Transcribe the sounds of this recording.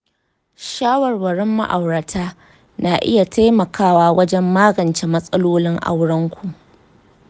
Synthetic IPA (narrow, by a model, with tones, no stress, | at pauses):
ʃaː˦wɐ˨rwɐ˨ɽɪ˦mːa̰˦ʔa˨wɽɐ˨tʰaː˦ | naː˨ʔɪ̰˦ja˨tʰa˦jmɐ˨kʰaː˦waː˦wɐ˦d͡ʒɛ˦mːaː˦ɡɐ˨nt͡ʃe˨mɐ˦sʼɐ˦loː˦lɪ˦ŋʔa̰˦wɽɐ˦ŋkʷʰu˨ʔ